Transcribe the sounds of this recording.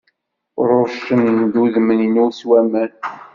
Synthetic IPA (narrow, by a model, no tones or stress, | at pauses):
ɾˤoɾʃənd̪uðməninuswæmæn